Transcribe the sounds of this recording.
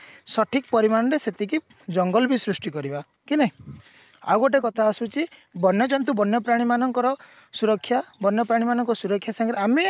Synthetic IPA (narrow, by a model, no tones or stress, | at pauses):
sɔʈʰikpɔɾimañɔɾeset̪ʰiki | d͡ʒɔŋɡɔlbisɾusʈikɔɾiba | kine | a̰woʈ̬ekɔt̪ʰaːsut͡ʃʰibɔnjɔt͡ʃɔnt̪ubɔnjɔpɾaɽ̃imanɔŋkɔɾɔ | suɾɔkʰːjabɔnjɔpɾaɽ̃imanɔŋkɔsuɾɔkʰːjasaŋɡɔɾeame